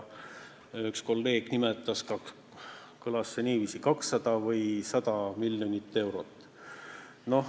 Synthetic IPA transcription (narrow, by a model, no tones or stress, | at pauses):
yksko̞lːe̞ːɡ̥nimet̪ːˑɑskɑ | kɤlɑsːeniːviːsikɑksːɑd̪̥ɑvɤjsɑd̪̥ɑmilʲjonit̪ːe̞wɾo̞t̪ˑː | no̞h